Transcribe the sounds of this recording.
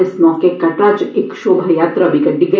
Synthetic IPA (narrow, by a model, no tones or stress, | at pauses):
ɪsmɔːkekɐʈaːt͡ʃekʃoːbʱɐjaːt̪ɾɐːbʱikɐɖiɡ